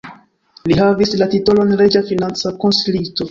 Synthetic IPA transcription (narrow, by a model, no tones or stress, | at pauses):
liɦavislatito̞lo̞nɾe̞d͡ʒafinant͡sako̞nsilito̞